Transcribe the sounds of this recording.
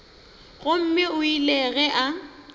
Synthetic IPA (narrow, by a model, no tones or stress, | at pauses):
ɣʊm̩mɪʊilɛɣɛʔa